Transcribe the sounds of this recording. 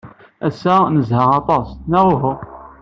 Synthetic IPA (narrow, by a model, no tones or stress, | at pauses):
æsːænəzhəʁɑt̪ˤɑsnæʁʊɦʊ